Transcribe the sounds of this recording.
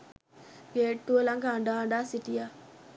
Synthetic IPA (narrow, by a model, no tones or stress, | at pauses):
ɡeːʈːuəlaŋɡaːɳɖaːɳɖaːsiʈija